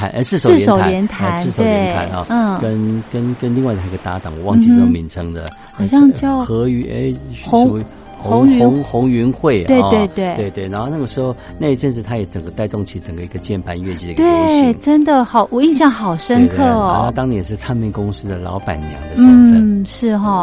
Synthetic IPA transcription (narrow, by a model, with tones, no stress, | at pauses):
a̰˧˥nʔə̰˧ʂɻ̩˥˩ʂo˨˥˩ɛ˥o˨˩ʊljɛ˧˥nt̪ʰa˧˥˩ʂo˨we˥˩ɛɪ˥nʰa̰˧˥nɔ̰˧˩˥kə˦nkə˥nkə˦˥nli˥˧ŋwa˥˩ɪt̪ʰa˥˩i˧˥ɡə˧t̪a˧˥t̪ɑ˨˩ŋwɔ˨˩˦wɑ˥˧ŋ˧t͡ɕi˧˥˧o˧˩mi˧˥ŋt͡sʰɤ˧˥ŋd̪ə̰˨ | ɑ˨˩ɕjɑ˥˧ŋt͡ɕjɑ˥˩ʊxɤ˧˥y˧˥ʔḛ˥˩ɪxʊ˧˥ŋ˧ | xʊ˧˥ŋ˧ʊ˥n˥ŋxʊ˧˥ŋy˧˥nxwe˥˩ɪwe˥˧ɪt̪we˥˧ɪt̪we˥˩ɪwe˥˧ɪwe˥˩ɪna˧˦˥xo˥˧na˥˩ɡə˩ʂɻ̩˧˥xo˥˧ʊna˥˧ɪ˧˥ʈ͡ʂə˥˧nʂ̬ɻ̩˥˩t̪ʰa˥jɛ˨˧˥ʈ͡ʂə˨˩ŋɡə˦t̪a˥˧ɪt̪ʊ˥˧ŋt͡ɕʰy˥˩ʈ͡ʂə˨˩ŋɡə˦i˧˥ɡə˧t͡ɕjɛ˥˩npʰa˧˥˦nɥɛ˥˧t͡ɕi˥˩˨t̪we˥˧˥ŋʈ͡ʂə˥nd̪ə˨xɑ˨˩ʊwɔ˨˩i˥˧ŋɕ̬jɑ˥˩ŋxɑ˨˩ʊʂə˥nkʰɤ˥˩ɔ˨˩na˥˧t̪ɑ˥ŋnjɛ˨˧nʂ̬ɻ̩˥˧t͡sʰa˥˧nmi˥˩kʊ˥ŋsɹ̩˥d̪ə˨lɑ̰˧˥ʊpa̰˨˩nnjɑ̰˧˥ʊd̪ə˧n̩˧˥˩ʂɻ̩˥˧ɦɔ˧˩